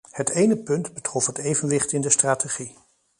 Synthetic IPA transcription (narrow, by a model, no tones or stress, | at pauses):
hətejnəpɵndbətrɔfətejvənʋɪχtɪndəstraːteχi